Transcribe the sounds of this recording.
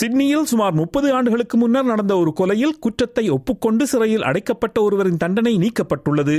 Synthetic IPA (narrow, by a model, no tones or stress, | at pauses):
sɪɖnɪjɪlsʊmaːɾmʊppːɐðɯaːɳɖɯɣɐɭɯkːɯmʊnːɐɾnɐɽɐnd̪ɐɔɾɯkɔlɐjɪlkʊʈrɐt̪ːɐɪɔpːɯkːɔɳɖɯsɪɾɐjɪlʔɐ̰ɽɐɪkːɐpːɐʈːɐɔɾɯʋɐɾɪnt̪ɐɳɖɐnɐɪniːkːɐpːɐʈːɯɭːɐðɯ